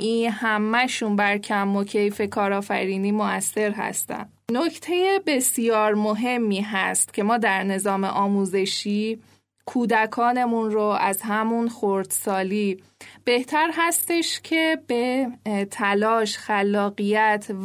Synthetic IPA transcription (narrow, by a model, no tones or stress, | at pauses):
ʔiːnhæmːæʃunbæɾcʰæmːocʰe̞jfe̞kʰɒːɾɒːfæ̰ɾiːniːmoæsːe̞ɾɦæ̰st̪æ̰n | nocʰt̪ʰe̞jebe̞sijɒːɾmoɦe̞mːiːɦæst̪cʰe̞mɒːd̪æɾne̞zɒːme̞̰ʔɒːmuːze̞ʃiː | kʰuːd̪ækʰɒːne̞munɾoʔæzhæmunxoɾd̪̥sɒːliː | b̥e̞ht̪ʰæɾɦæst̪e̞ʃcʰe̞b̥e̞t̪ʰælɒːʃxælːɒːɣijæt̪ʰ